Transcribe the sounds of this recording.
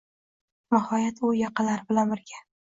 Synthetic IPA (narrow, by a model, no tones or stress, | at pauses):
nɪhɒjat̪ʊjɑqʰɨlaɾbɪlanbɪɾɡʲa